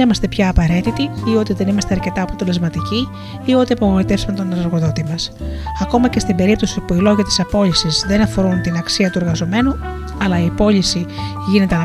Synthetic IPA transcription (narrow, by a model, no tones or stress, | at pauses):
imɐst̪epçɐːpɐɾe̞t̪it̪iio̞t̪iðenimɐst̪e̞ɐɾce̞t̪ɐːpo̞t̪e̞le̞zmɐt̪iciː | o̞t̪iɐpoɣoit̪e̞fsumet̪o̞nenɐɾɣo̞ðo̞t̪imɐsɐko̞mɐce̞st̪imbe̞ɾipt̪o̞sipuilo̞ʝɐt̪i̥sɐpo̞ʎisizðe̞nɐfo̞ɾunt̪inɐksiɐt̪ue̞ɾɣɐzo̞me̞nu | ɐlɐiɐpo̞lisi | ʝine̞t̪eɐ